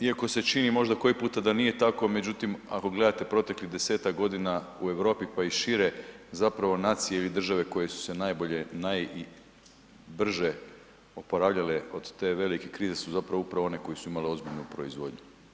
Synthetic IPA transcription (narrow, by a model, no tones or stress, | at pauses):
iako̞se̞t͡ʃinimo̞ʒd̪ako̞jipuːt̪ad̪anije̞t̪ako̞me̞d͡ʑut̪ima̰ko̞ɡle̞d̪at̪e̞pɾo̞t̪e̞klid̪e̞se̞ːt̪akɡo̞d̪inaue̞ʋɾo̞ːpipaiʃiɾe̞zapɾaʋo̞naːt̪sijeilid̪r̩ʒaʋe̞ko̞je̞su̥se̞najbo̞ʎe̞naji | br̩ʒe | o̞po̞ɾaːʋʎaleo̞d̪̥t̪e̞ʋe̞like̞kɾiːze̞suzapɾaʋoupɾaʋoo̞ne̞ko̞jisuimaleo̞zbiʎnupɾoizʋo̞d̪ɲu